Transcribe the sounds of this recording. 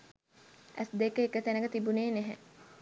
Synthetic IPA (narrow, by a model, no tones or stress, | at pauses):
ʔæsd̪ekəekət̪ænəɡət̪ibuneːneɦɛ̰